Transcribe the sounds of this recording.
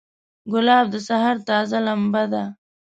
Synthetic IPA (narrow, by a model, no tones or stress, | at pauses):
ɡʊlɑːb̚d̪əsaɦaɾt̪ɑːzalambad̪a